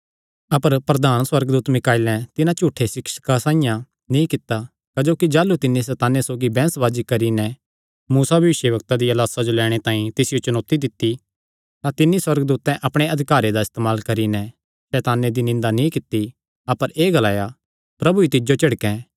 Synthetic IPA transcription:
ɐpəɾpɾɐd̪aːnswɐɾɡd̪uːt̪mɪkaːɪlɛ̃t̪ɪnãt͡ʃuːʈʰːesɪkʃkasãːĩjã | nĩkɪt̪ːa | kɐd͡ʒoːkid͡ʒaːlut̪ɪnːis̬ɛːt̪aːnjesoːɡibɛ̃ːsʋaːd͡ʒikɐɾinɛ | muːsabʱɐʋɪʃjəbɐk̚t̪ad̪iɐlaːsad͡ʒolɛːɽ̃et̪aːĩt̪ɪsɪjot͡ʃɐnoːt̪id̪ɪt̪ːi | t̪ãt̪ɪnːiswɐɾɡd̪uːt̪ːɛ̃ʔɐpɽ̃eɐd̪ʱɪkaːɾed̪aɪst̪eːmaːlkɐɾinɛ | sɛːt̪aːnjed̪inɪ̃nd̪anĩkɪt̪ːi | ɐpəɾeːɡɐlaːja | pɾɐbuit̪ɪd͡ʒot͡ʃɐɽkɛ̃ː

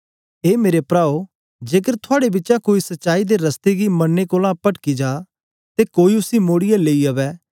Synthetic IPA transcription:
eːmeːɾepɾaːo | d͡ʒeːk̬əɾt̪ʰʊaːɽebɪtːt͡ʃãkoːisɐtːʃaːid̪eɾəst̪eɡimɐnːekoːlãpəʈkid͡ʒaː | t̪ekoːiʊsimoːɽɪjaleːiaʋɛː

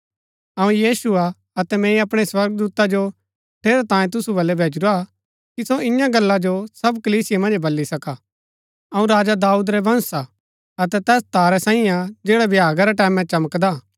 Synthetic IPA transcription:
ɐũjiːsua | ɐt̪ɛmɛ̃ːĩɐpɽ̃eswɐɾɡ̚d̪uːt̪ad͡ʒo | ʈʰeːɾat̪ãːjẽt̪̬ʊsubɐlːɛbʱeːd͡ʒɾa | kisoɪjãɡɐlːad͡ʒosɐbkɐliːsɪjemɐ̃nd͡ʒbɐlːisɐka | ɐũɾaːd͡ʒad̪aːuːd̪ɾɛbʱɐ̃nsa | ɐt̪ɛt̪ɛːst̪aːɾɛsãːĩad͡ʒeːɽabʱjaːɡaɾɛʈɛːmɛ̃t͡ʃɐməkd̪a

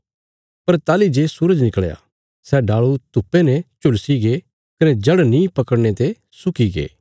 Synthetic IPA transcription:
pɐɾt̪aːlid͡ʒesuɾəd͡ʒnɪkəɭja̰ | sɛɖaːɭut̪ʊpːenɛt͡ʃʊlsiɡe | kɐnɛd͡ʒɐɽnĩpɐkəɽñet̪e | sʊkiɡḛː

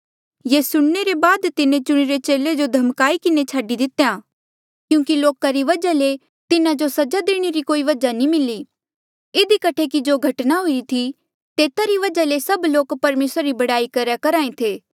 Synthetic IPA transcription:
jeːsʊɽ̃neɾebaːd̪t̪ɪnẽt͡ʃʊɽ̃iɾet͡ʃeːled͡ʒod̪ʱɐmkaːikɪnet͡ʃʰaːɖid̪ɪt̪jãː | kjũːkiloːkaɾiʋɐd͡ʒale | t̪ɪnad͡ʒosɐd͡ʒad̪eːɽ̃eɾikoːiʋɐd͡ʒanĩmɪli | ɪd̪ikɐʈʰekid͡ʒoːɡʱɐʈnaɦʊiɾit̪ʰi | t̪eːt̪aɾiʋɐd͡ʒalesɐbloːkpɐɾmeːsɾaɾibɐɽaːikɐɾjakɐɾaːẽt̪ʰeː

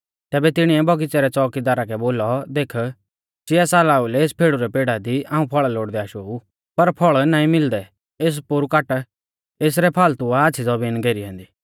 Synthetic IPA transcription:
t̪ɛːbɛt̪ɪɽ̃iɛbɔɡɪt͡sɛɾɛt͡sɔːkid̪aːɾakɛboːlɔd̪eːkʰ | t͡ʃɪasaːlaːulɛeːspʰeːɽuɾɛpeːɽad̪iãːũpʰɔɭaloːɽd̪ɛaʃoːu | pɐɾpʰɔɭnãːĩmɪld̪ɛ | eːs̬pʊɾukaːʈ | eːs̬ɾɛpʰaːlt̪ʊaaːt͡ʃʰid͡zɔbiːnɡeːɾiɦɛ̃ːnd̪iː

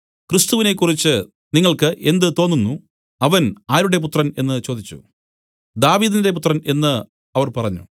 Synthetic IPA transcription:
krist̪uʋine̞kːurit͡ɕːɨ | niŋːɐɭkɨʔe̞nd̪ɨt̪o̞ːnːunːu | ɐʋɐnaːɾuɽe̞p̬ut̪rɐne̞nːɨt͡ɕo̞ːd̪it͡ɕːṵ | d̪aːʋiːd̪inde̞p̬ut̪rɐne̞nːɨ | ɐʋɐrpɐrɐɲːṵ

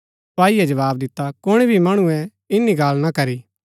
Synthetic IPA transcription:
paːijɛd͡ʒɐʋaːb̚d̪ɪt̪ːakʊɽ̃ibʱimɐɽ̃ũɛ̃ | ɪnːiɡaːlnakɐɾi

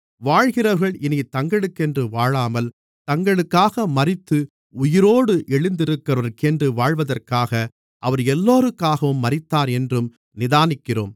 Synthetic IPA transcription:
ʋaːɻɣɪrɐʋɐɾɣɐɭɪnit̪ɐŋɡɐɭɯkːɛndrɯʋaːɻaːmɐl | t̪ɐŋɡɐɭɯkːaːɣɐmɐrɪt̪ːɯ | ʊjɪɾoːɽɯʔɛɭɪnd̪ɪɾɯkːɐʋɐɾkɛndrɯʋaːɻʋɐðɐrkaːɣɐ | ʔɐʋɐɾɛlːoːɾɯkːaːɣɐʋɯmːɐɾɪt̪ːaːɾɛndrɯm | nɪðaːnɪkːɪro̰ːm

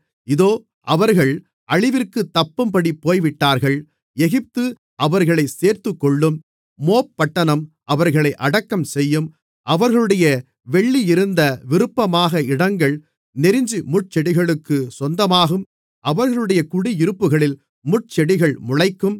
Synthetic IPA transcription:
ɪðoː | ʔɐʋɐɾɣɐɭ | ʔɐɻɪʋɪrkɯt̪ːɐpːɯmpɐɽipːoːjʋɪʈːaːɾɣɐɭ | ɛɣɪp̚t̪ɯ | ʔɐʋɐɾɣɐɭɐɪseːɾt̪ɯkːɔɭːɯmː | oːpːɐʈːɐnɐm | ʔɐʋɐɾɣɐɭɐɪʔɐɽɐkːɐmsɛjːɯm | ʔɐʋɐɾɣɐɭɯɽɐjɐ | ʋɛɭːiɪɾɯnd̪ɐʋɪɾɯpːɐmaːɣɐɪɽɐŋɡɐɭ | nɛɾɪɲd͡ʒimʊʈ̚t͡ʃɛɽɪɣɐɭɯkːɯsɔnd̪ɐmaːɣɯm | ʔɐʋɐɾɣɐɭɯɽɐjɐkʊɽiɪɾɯpːɯɣɐɭɪl | mʊʈ̚t͡ʃɛɽɪɣɐɭmʊɻɐɪkːɯm

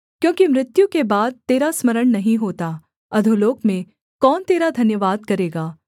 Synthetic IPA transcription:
kjõːkimɾɪt̪jũkebaːd̪̚t̪eːɾasmɐɾəɽ̃nɐɦĩɦoːt̪a | ɐd̪ʱoloːkmẽ | kɔːnt̪eːɾad̪ʱɐnjəʋaːd̪̚kɐɾeːɡaː

